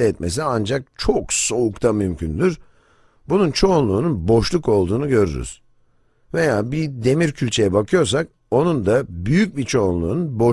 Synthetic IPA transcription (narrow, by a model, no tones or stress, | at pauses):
ɛɛt̪mʔe̞s̬iand͡ʒak̚t͡ʃʰokso̞ukt̪ʰamymcʰynd̪yɾ | bununt͡ʃʰo̞ːnlˠuːnunbo̞ʃlˠuko̞lˠd̪uːnuɟø̞ɾy̰ɾy̰z̥ | ve̞jaːbid̪e̞miɾcʰylʲt͡ʃʰe̞jɛbakʰɯjo̞ɾs̬ak̚ | o̞nund̪abyjyc̚bit͡ʃʰo̞unlˠuːnunbo